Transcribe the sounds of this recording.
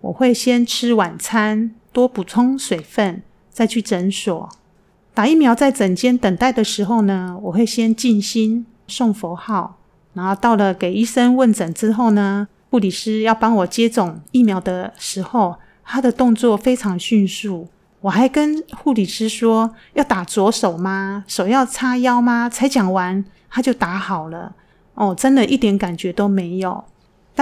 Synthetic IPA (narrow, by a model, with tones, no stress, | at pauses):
wʔɔ̰˨˩xwe˥˩ɪɕjɛ˦˥nʈ͡ʂʰɻ̩˦wa˨˩nt͡sʰa˥nt̪wɔ˥pu˨˩t͡sʰʊ˥ŋswe˨˩ɪfə˥˨n | t͡sa˥˧ɪt͡ɕʰy˥˩ʈ͡ʂə˧˥nsɔ˨˩˦ | t̪a˨˩i˥˩mjɑ˧˥ʊt͡sa˥˩ɪt͡sə˨˩ŋt͡ɕjɛ˥nt̪ə˨˩ŋt̪a˥˩ɪd̪ə˩ʂɻ̩˧˥xo˥˧ʊnə˩wɔ˨˩xwe˥˩ɪɕjɛ˥nt͡ɕi˥˨nɕi˥n | ʂo˥˩ŋfo˧˥xɑ˥˩ʊ | na˧˥˦xo˥˧t̪ɑ˥˩ʊlə˨ke˨˩ɪi˥˩sə˦nwə˥˨nt͡sə˨˩ŋt͡sɻ̩˦˥xo˥˩ʊnə˩ | xu˥˩li˨˩ʂɻ̩˦˥jɑ˥˩ʊpɑ˥ŋwɔ˨˩t͡ɕjɛ˥t͡sʊ˨˩ŋi˥˩mjɑ˧˥ʊd̪ə˨˧ʂɻ̩˧˥xo˥˩ʊ | t̪ʰa˥d̪ə˨t̪ʊ˥˧ŋt͡swɔ˥˨˩fe˥ɪʈ͡ʂʰɑ˧˥ŋɕy˥˧nsu˥˩ | wɔ˨˩xa˧˥ɪkə˦nxu˥˩li˨˩ʂɻ̩˥ʂwɔ˥jɑ˥˩ʊt̪a˨˩t͡swɔ˧˥ʂo˨˩ʊma˨ʂo˨˩ʊjɑ˥˩ʊt͡sʰa˥jɑ˥ʊma˨t͡sʰa˧˥ɪt͡ɕjɑ˨˩ŋwa˧˦n | t̪ʰa˥t͡ɕjo˥˩ʊt̪a˧˥xɑ˨˩ʊlə̰˦ | ɔ˨˩ʈ͡ʂə˦nd̪ə˨ʔi˥˩t̪jɛ˧˥nka˨˩nt͡ɕɥɛ˧˥t̪o˥ʊme˧˥˦ɪjo˨˩ʊ | n˥